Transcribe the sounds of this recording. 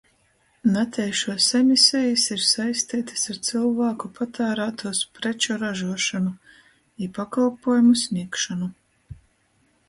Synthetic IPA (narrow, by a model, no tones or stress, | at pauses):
nat̪ʰɛjʃuɔsemʲisʲɛjisiɾsajst̪iːt̪ḁsaɾt̪sɨlˠvaːkupʰat̪aːɾaːt̪uɔspɾɛt͡ʃɔɾaʒuɔʃanu | ipakalˠpuɔjumusʲnʲiɛkʃanu